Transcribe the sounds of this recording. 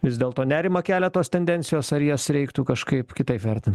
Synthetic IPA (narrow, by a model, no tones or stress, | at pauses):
ʋʲɪzd̪ʲeːlˠt̪oːnʲæːɾʲɪmɐkʲæːlʲɛt̪oːst̪ʲɛnʲd̪ʲɛnʲtsʲɪjoːsɐɾjiɛsɾʲɛɪkt̪ukɐʃkɐɪpkʲɪt̪ɐɪpʋʲɛɾʲt̪ʲɪnt̪